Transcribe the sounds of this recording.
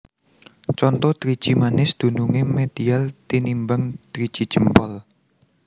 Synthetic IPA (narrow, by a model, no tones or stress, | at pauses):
t͡ʃɔnt̪ɔd̪̥ɾid̥ʒ̥imanɪsd̪̥ṳnuŋemed̪̥ialt̪inimbaŋt̪ɾid̥ʒ̥i̤̥d͡ʒ̥əmpɔl